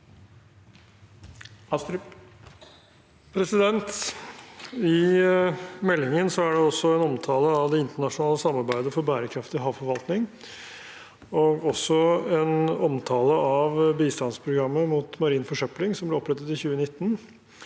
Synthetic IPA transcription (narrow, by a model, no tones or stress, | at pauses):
pʰɾɛsɪd̪ɛnt̪ | ɪ | mɛlːɪŋənsɔæɖɛɔsːɔɛnɔmt̪ʰɑːləɑʋd̪ɛɪnt̪əɳɑʂʊnɑːləsɑmːɑɾbæɪd̪əfɔɾbæːɾəkʰɾɑft̪ɪɦɑːʋfɔɾʋɑlt̪nɪŋ | ɔɡɔsːɔɛnɔmt̪ʰɑːləʔɑʋbiːst̪ɑnspʰɾʊɡɾɑmːəmuːt̪mɑɾiːnfɔʂœplɪŋsɔmblɪɾɔpːɾɛt̪ət̪ɪçʉːənɪt̪ːən